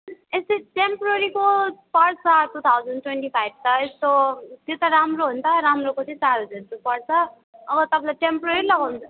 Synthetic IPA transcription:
est̪eʈempɾʌɾikopʌɾsaʈut̪ʰawd͡zʌnʈweɳʈipʰajb̚ʱt̪ʌest̪ot̪jet̪ʌɾamroɦunt̪ʰʌɾamrokot͡sʰĩsaɾod͡zeɾt̪upʌɾt͡sʰʌː | ɡʌt̪ʌpʰãlaʈempɾʌɾilʌɡawnt͡sʰʌ

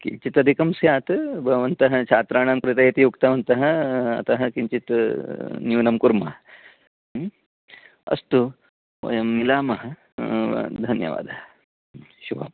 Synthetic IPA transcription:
kḭɲt͡ʃit̪ɐd̪ʱikɐmsjaːt̪bʱɐɡɐʋɐnt̪ɐɦɐt͡ʃʰaːt̪ɾaːɳaːmkɾɐt̪ɐjɐt̪ijukt̪ɐʋɐnt̪ɐɦɐ̆ɐ̰t̪ɐɦɐ̆kiɲt͡ʃit̪ | njuːnɐmkuɾmɐɦɐ | ɐ̰st̪u | ʋɐ̰jɐmːilaːmɐɦɐ̆ | d̪ʱɐnjɐ̰ʋa̰ːd̪ʱɐɦɐ | ʃubɐ̰m

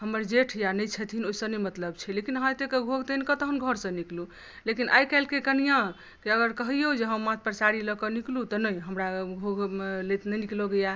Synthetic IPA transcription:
həmːəɾd͡ʒeʈʰjanəjt͡ʃʰət̪ʰinoisə̃nemət̪ləbt͡ʃʰɛlekinɦãt̪ekeɡʱoɡʱt̪enkət̪əɦənɡʱəɾsə̃niklu | lekinʔa̰jkɛlkekənijã | kiəɡəɾkəɦijeud͡ʒeɦəmːãt̪̚pəɾsaɾiləkɔniklut̪ɔnəjɦəmɾaɡʱoɡlet̪nəniklɔɡəja

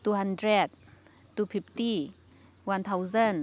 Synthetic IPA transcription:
t̪uɦandɾɛt̚ | t̪upʰip̚t̪i | want̪ʰawzən

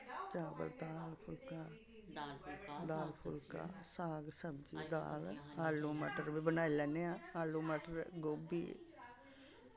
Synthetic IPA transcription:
t͡ʃaːbə̰ld̪aːlpʰʊlkaː | d̪aːlpʰʊlka̰ːsaːɡsəmd͡ʒḭːd̪a̰ːlaːlːuːməʈəɾbiːbənaːilɛːneãːaːlːuːməʈəɾɡoːbḭː

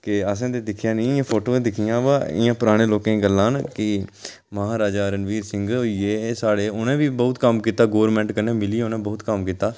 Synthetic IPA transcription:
keəs̬ãːd̪eːd̪ɪkʰjãːnĩːɪjãːpʰoːʈoːẽːd̪ɪkʰijãːʋaːɪ̰jãːpəɾaːɽ̃eːloːkẽːɡəlːãːnkɪ | məɦaːɾaːd͡ʒaːəɾənʋiːɾsɪ̃ŋɡoieːsaːɽeːʊnẽːʋiːbəːʊt̪kəmkiːt̪aːɡoːəɾmɛ̃ːɳʈkənẽːmɪliːʊnẽːbəːt̪kəmkiːt̪aː

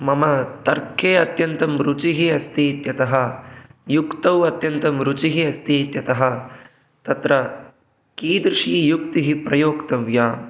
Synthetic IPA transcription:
mɐmɐt̪ɐɾkʰeːɐt̪jɐnt̪ɐmɾut͡ʃiɦiɐst̪ʰiːt̪jɐt̪ɐɦɐjukt̪ɐwɐt̪jɐnt̪ɐmɾut͡ʃiɦiɐst̪iːt̪jɐt̪ɐɦɐ̆ | t̪ɐt̪ɾɐ | kiːd̪ɾɪʂiːjukt̪iɦipɾɐjoːkt̪ɐʋjaːm

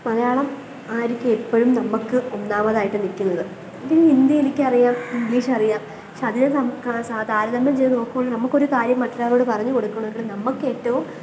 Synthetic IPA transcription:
mɐlɐjaːɭɐm | aːɾikʲːeepːɐɻumnɐmːukːɨonːaːmɐðaːjiʈːɨnikʲːunːɐðɨ | dinːind̪jɐjinikʲːɨɐrijaːmiŋɡliːʂɐrijaːm | ʂɐd̪ʱiːnɐsɐmkːrɐsaːd̪ʱaːɾɐðɐmːɐlt͡ɕejnːɨnoːkːumɐɳːɐnɐmːɐkːo̞ɾukaːɾjɐmːɐʈːɐlaːloːɽɨpɐrɐɲːuko̞ɽukːɐɳoeɡɐɭnɐmːukːe̞ːtːɐʋum

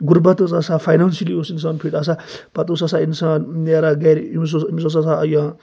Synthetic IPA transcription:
ɡuɾbɐt̪ot͡sasapʰajnansiliosins̬aːnpʰiʈ̪as̬apɐt̪osɐsainsaːnneɾaɡaɾims̬osims̬osasaːjãː

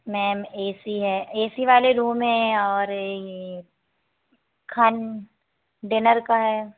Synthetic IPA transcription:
mɛːmeːsiɦɛːeːsiʋaːleɾuːmɦɛ̃ɔːɾ | kʰɐn | ɖɪnəɾkaɦɛː

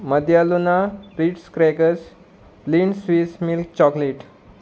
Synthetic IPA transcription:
məd̪ʱjalunaɾiːʈskɾɛkəs | plinsʋismilk̚t͡ɕɔkleʈ

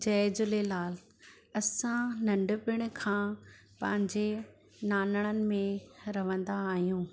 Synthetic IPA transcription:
d͡ʑɐːd͡ʑʊlelaːl | ɐsãnɐ̃ɳɖʊpɪɽ̃̆kʰãː | pɐ̃ɦɪ̃ɲd͡ʑe | naːnəɽ̃ənɪ̆mẽɾɐʋə̃nd̪aːɦijũː

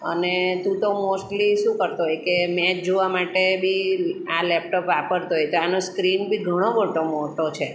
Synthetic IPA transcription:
ə̰net̪ũt̪omosʈliʃũkəɾt̪oɦɔjkemɛt͡ʃ̚d͡ʒoʋamaʈebʱialɛp̚ʈopʋapəɾt̪oɦɔjt̪oanoskɾinbʱiɡʱəɽ̃obʱəʈomoʈot͡ʃʰe

